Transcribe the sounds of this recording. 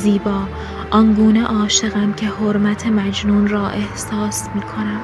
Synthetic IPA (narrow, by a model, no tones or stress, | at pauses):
ziːbɒː | ʔɒnɡuːneʔɒːʃe̞ɣæmcʰe̞hoɾmæt̪ʰemæd͡ʒnuːnɾɒːʔe̞hsɒːsmiːkʰo̞næm